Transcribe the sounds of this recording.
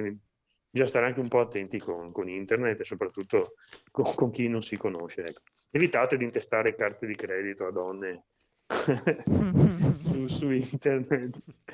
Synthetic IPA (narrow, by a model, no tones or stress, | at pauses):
kind̪i | d͡ʒast̪aɾeaŋk̟eumpɔat̪ːɛnt̪ikonkonint̪ernet̪ːesːopɾat̪ːut̪ːokokoŋk̟inonsikonoʃeɛkːo̥ | evit̪aːt̪ed̪int̪est̪aːɾekart̪ed̪ikɾɛːd̪it̪oad̪ɔnːe | susuint̪ernet̪ː